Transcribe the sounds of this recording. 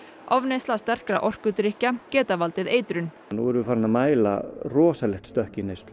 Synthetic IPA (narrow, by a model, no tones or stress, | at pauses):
ɔvnejst̪last̪ɛr̥kɾaʔɔr̥kʏt̪ɾihcacɛːt̪avalt̪ɪðeːjt̪ɾʏn | nṵwɛɾvɪfaːɾɪnːamaːjla̰rɔːsalɛxt̪st̪œhcɪnejst̪l